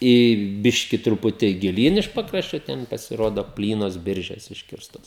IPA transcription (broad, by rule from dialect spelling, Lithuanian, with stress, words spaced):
iː ˈbʲɪʃʲkʲɪ trʊˈpʊtʲiː ɡʲɪˈlʲiːn ɪʃ ˈpɑːkrɐʃʲt͡ʃʲoː ˈtʲɛn pɐsʲɪˈroːdoː ˈpʲlʲiːnoːs ˈbʲɪrʲʒʲɛs ˈɪʃʲkʲɪrstoːs